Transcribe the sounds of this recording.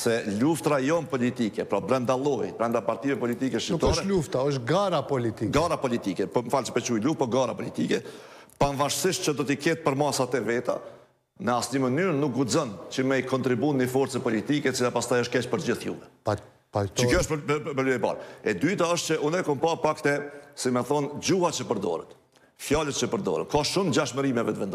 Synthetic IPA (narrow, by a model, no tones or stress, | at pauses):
sɛluft̪ɾajɔmpɔlit̪ikɛpɾɔbɾɛnd̪alˠɔjibɾɛnd̪apaɾt̪ivɛpɔlit̪ikɛʃint̪ɔʃɾɛluft̪aɔʃ̬ɡaɾapɔlit̪iɡaɾapɔlit̪ikɛpɔmfalt͡ʃə̥pɛt͡ɕujluft̪pɔɡaɾa̰pɔlit̪ikɛ | panvaʃsiʃt̪̚t͡ɕəd̪ɔt̪ikɛt̪̚pəɾmasat̪ɛvɛt̪a̰ | nəasɲəmənyɾnuk̚ɡud͡zɔnt͡ɕəmɛikɔnt̪ɾibunnifɔɾt͡sɛpɔlit̪ikɛːt͡silapast̪ajəʃt̪̚kɛt͡ɕpəɾd͡ʑiθjṵvɛ | t͡ʃəkjɔəʃpəɾliɛpa̰ɾɛd̪yt̪aəʃt̪t͡ʃəʔunɛkɔmpapakt̪ɛsimɛθɔnd͡ʑuat͡ʃəpəɾd̪ɔ̰ɾɛ̰t̪ | fjalət̪̚t͡ʃəpəɾd̪ɔ̰ɾə̰t̪kaʃumd͡ʑaʃməɾimɛvɛt̪əvɛnd̪ɔ